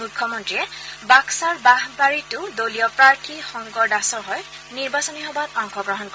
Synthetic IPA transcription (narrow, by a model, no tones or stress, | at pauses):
ukʰːɔmɔntɹiɛbaksaɹbaɦbaɹitʊdolijɔpɹaɹtʰixɔŋɡɔɹdasɔɹɦɔj | niɹbasɔniɦɔbatɔŋkɔɡɹɔɦɔnkɔ